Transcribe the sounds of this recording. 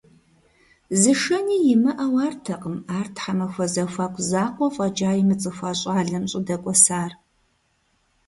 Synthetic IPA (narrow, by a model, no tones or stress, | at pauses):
zɨʂɐniːjɪmɨʔawaːrtʰɐqʼəmaːrtʰħamɐxʷɐzɐxʷaːkʷʰʼzaːqʷʼɔfʼɐd͡ʒaːjimɨt͡sʼɨxʷaːɕʼaːɮɐmɕʼɪdɐkʷʼɔsaːr